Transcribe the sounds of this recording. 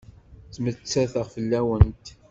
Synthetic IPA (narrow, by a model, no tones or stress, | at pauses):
t͡sːmət͡sːæθəʁfəlːæwənt̪